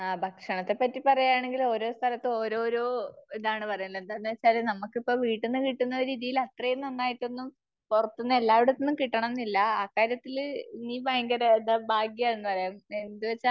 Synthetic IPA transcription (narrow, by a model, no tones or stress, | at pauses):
aːbʱɐkʂɐɳɐt̪ːe̞pːɐtːipɐrɐjaːɳe̞ŋɡilo̞ːɾo̞ːst̪ʰɐlɐt̪ːɨo̞ːɾo̞ːɾo̞ːiðaːɳɨpɐrɐjlːɐend̪anːɨʋɐt͡ɕːaːlenɐmːukːipːo̞ːʋiːʈːunːɨkiʈːunːɐɾiːðijilɐt̪rɐjenːɐnːaːjiʈːenːum | purɐt̪ːunːɐe̞lːaːʋiɽut̪ːenːumkiʈːɐɳɐmnːilːɐaːkːaːɾjɐt̪ːilniːbʱɐjɐŋɡɐɾɐeðɐbʱaːɡjɐaːjunːupɐrɐjaːme̞nd̪uʋɐt͡ɕːa